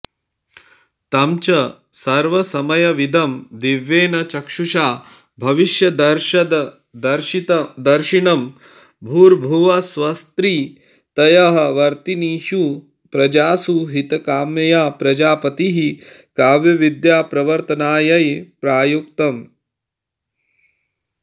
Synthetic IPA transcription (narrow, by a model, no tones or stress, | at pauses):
t̪ɐmt͡ʃɐ | sɐɾʋɐsɐmɐjɐʋid̪ʱɐmd̪iʋːeːnɐt͡ʃɐkʂuʃaː | bʱɐʋiʃjɐd̪ɐɾʃɐd̪ɐ | d̪ɐɾd̪ɐɾʃiɳɐm | bʱuːɾbʱuʋɐsʋɐst̪ɾiː | t̪ɐjɐɦɐ̆ʋɐɾt̪iniːʃu | pɾɐd͡ʒaːsuːɦit̪ɐkaːmjɐjaːpɾɐd͡ʒaːpɐt̪iɦi | kaːʋjɐʋid̪jaːpɾɐʋɐɾt̪ɐnaːjɐjpɾaːjuk̚t̪ɐm